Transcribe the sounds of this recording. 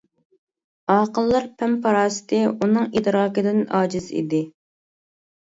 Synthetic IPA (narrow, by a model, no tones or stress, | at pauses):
ɑːqəlˠːɑɾpʰɛmpʰɑɾɑːsɨ̥t̪ɪunɨŋid̪ɾɑːkɪd̪ɪnɑːd͡ʒɪzḭd̪ɪ